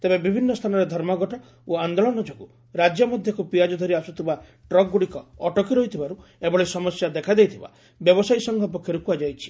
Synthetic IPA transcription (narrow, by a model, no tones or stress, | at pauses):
t̪ebebibʱinːɔst̪ʰanɔɾed̪ʱɔɾmɔɡɔʈɔ | oand̪ɔlɔnɔd͡ʒoɡu | ɾad͡ʒjɔmɔd̪ʱjɔkupiad͡ʒɔd̪ʱɔɾiasut̪ʰiba | ʈɾɔk̚ɡuɽikɔːʈɔkiɾɔɦit̪ʰibaɾuebɔɭesɔmɔsjad̪ekʰad̪ejt̪ʰiba̰ | bjɔbɔsajsɔŋɡʱɔlp̬ɔkʰjɔɾukuad͡ʒajt͡ʃʰi̥